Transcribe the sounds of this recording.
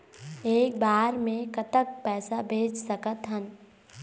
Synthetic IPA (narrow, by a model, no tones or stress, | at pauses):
eːk̚baːɾmẽkɐt̪ək̚pɛːsabʱeːd͡ʒsəkət̪ɦən